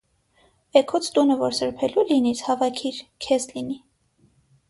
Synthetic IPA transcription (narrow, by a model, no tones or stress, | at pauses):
ɛkʰut͡sʰt̪unəvɔɾsəɾpʰɛlulinit͡shɑvɑkʰiɾkʰɛzlini